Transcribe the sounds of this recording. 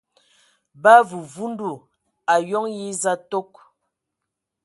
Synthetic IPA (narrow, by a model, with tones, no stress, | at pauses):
ba˦vu˨vu˦n˦du˨ | a˨jɔ˦ŋji˦za˦to˦k̚